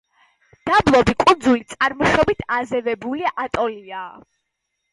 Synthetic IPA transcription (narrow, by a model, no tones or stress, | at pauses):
d̪̥ablˠɔbikʼund̪zulit̪sʼaɾmɔʃɔbit̪ʰazɛvɛbuliaʔat̪ʼɔliaː